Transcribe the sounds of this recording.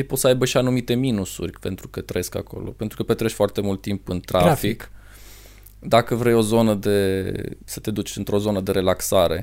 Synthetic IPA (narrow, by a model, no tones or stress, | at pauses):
ejpo̞t̪səajbəʃianumit̪e̞minusṵrʲpe̞nt̪ɾukət̪ɾəjeska̰ko̞̰lo̞̰pe̞nt̪ɾukəpet̪ɾeʃʲfoart̪e̞mult̪ːimpɨnt̪ɾʔafik | d̪akəvɾejo̞zo̞nəd̪e̞sət̪e̞d̪ut͡ʃʲɨnt̪ɾo̞zo̞nəd̪e̞ɾe̞laksaɾe̞̰